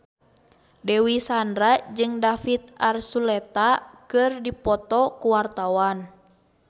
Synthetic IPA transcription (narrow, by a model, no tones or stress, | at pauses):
dɛwisandɾad͡ʒɨŋdafit̪̚arsulɛt̪akɨrdipɔt̪ɔkuwart̪awan